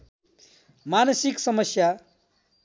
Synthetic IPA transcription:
manʌsiksʌmʌsja

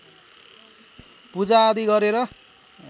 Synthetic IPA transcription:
pud͡zaːd̪iɡʌɾeɾʌ

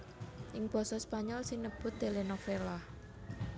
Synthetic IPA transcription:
ʔɪŋb̥ɔ̤sɔspaɲɔlsinəb̥ʊt̪̚d̪e̤lenofelah

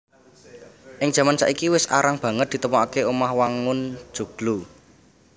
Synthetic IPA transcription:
ʔɪŋd͡ʒ̥ä̤mant͡ʃa̰ʔikiwɪsa̰ɾaŋb̥ä̤ŋət̪̚d̥̪i̤t̪əmɔakeomahwaŋʊn̥ʒ̥ṳɡ̥lu

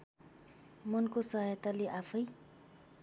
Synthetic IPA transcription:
mʌnkosʌɦʌjʌt̪aleʔapʰʌj

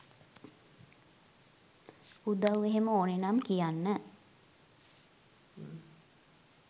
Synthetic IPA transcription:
ud̪awʋeɦeməoːnenamkijanːə

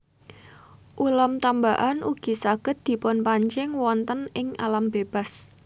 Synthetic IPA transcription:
ʔulɔmt̪ambaʔanʔuɡ̥i̤saɡ̥ə̤t̪̚d̪̥i̤pʊnpaɲt͡ʃɪŋwɔnt̪ənɪŋa̰lamb̥eb̥a̤s

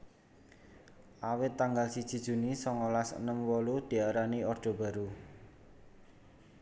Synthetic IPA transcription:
ʔawɪt̪ːaŋɡalsid̥ʒ̥i̤d̥ʒ̥ṳnisɔŋɔlasə̰nəmwɔlud̪̥i̤aɾaniɔrd̪̥ɔ̤b̥a̤ɾu

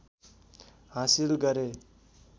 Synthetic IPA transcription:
ɦãsilɡʌɾe

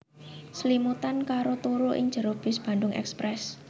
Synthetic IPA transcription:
slimut̪ankaɾot̪uɾuʔɪ̰ŋd͡ʒʒ̥ə̤ɾob̥ɪsb̥a̤ndʊŋɛ̰kspɾɛs

